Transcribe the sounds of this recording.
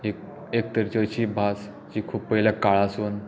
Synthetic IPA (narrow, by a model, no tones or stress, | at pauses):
ek | ek̚t̪əɾt͡ɕəɕiːbʱas | t͡ɕiːkʰuːppəiljakaɭason